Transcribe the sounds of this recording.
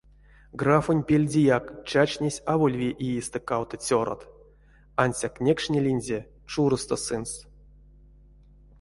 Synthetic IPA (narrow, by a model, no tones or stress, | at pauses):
ɡrafonʲpʲelʲdʲijakt͡ʃat͡ʃnʲesʲavolʲvʲeʔijist̪ɨkawt̪t͡sʲoɾo̰t̪ | anʲsʲaknʲekʂnʲelʲinʲzʲe | t͡ʂuɾɨst̪osɨns